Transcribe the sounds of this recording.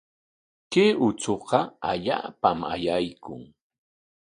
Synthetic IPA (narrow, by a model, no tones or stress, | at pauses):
keʊt͡soqɑaʎa̰ːpama̰jajkʊŋ